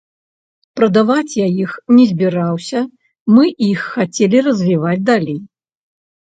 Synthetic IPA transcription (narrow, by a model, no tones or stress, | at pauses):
pɾɐd̪avat͡sʲjajixnʲɛzʲbʲiɾawsʲɐ | mɨʔixːat͡sʲelʲirɐzʲvʲivad͡zʲd̪alʲej